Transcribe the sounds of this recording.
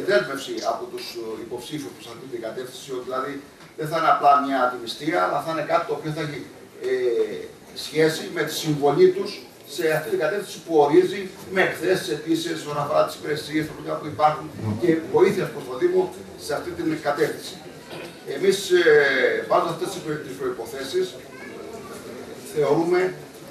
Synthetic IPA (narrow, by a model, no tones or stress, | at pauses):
ðe̞zme̞fsiɐ̰pot̪usipo̞psifuspɾosɐft̪it̪iɡɐt̪e̞fθinsio̞t̪iðilɐði | ðenθɐineɐplɐmɲɐːd̪imist̪iɐːlɐθɐine̞kɐt̪i̥t̪oːpio̞θɐeçi | e | sçe̞sime̞t̪i̥siɱvo̞lit̪usː | e̞aft̪it̪iŋɡɐt̪e̞fθinsi̥puo̞ɾizime̞ːkθe̞si̥se̞t̪isie̞sonɐfoɾɐt̪i̥si̥peɾesiest̪olik̪ɐpuipɐɾxunce̞vo̞iθiespɾost̪o̞ðimo̞ | se̞ɐft̪it̪inɡɐt̪e̞fθisi̥ | e̞mis | vɐzuft̪e̞st̪ispt̪ispɾo̞ipo̞θe̞sis | θe̞o̞ɾume̞